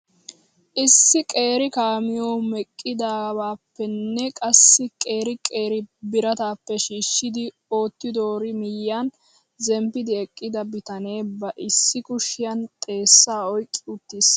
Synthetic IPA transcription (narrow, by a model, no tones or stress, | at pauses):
ʔɪsːɪkʼe̞ːɾɪkaːmɪjoːmɛkʼːɪd̪aːbaːpːɛnːɛkʼɐsːɪkʼe̞ːɾɪkʼe̞ːɾɪbɪɾɐt̪aːpːɛʃiːʃːɪd̪ɪ | o̞ːt̪ːɪd̪oːɾɪmɪjːan | zɛmpːɪd̪ɪɛkʼːɪd̪ɐbɪt̪ɐne̞ːbɐʔɪsːɪkʊʃːɪjɐnt̪ʼe̞ːsːaːɔjkʼːɪʊt̪ːis